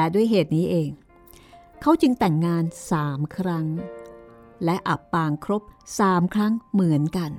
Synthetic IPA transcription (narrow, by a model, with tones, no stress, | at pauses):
lɛ˦˥du˥˩əjɦeː˨˩t̪̚niː˦˥ʔeː˧ŋ | kʰa˦˥wt͡ɕɯ˧ŋt̪ɛ˨˩ŋːaː˧nsaː˩˦mkʰɾa˦˥ŋ | lɛ˦˥ʔa˨˩pːaː˧ŋkʰɾo˦˥p̚saː˩˦mkʰɾa˦˥ŋmɯ˩˦ənka˧n